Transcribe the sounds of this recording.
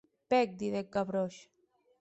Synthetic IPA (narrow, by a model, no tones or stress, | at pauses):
pɛk̚d̪iðekːaβɾɔʃ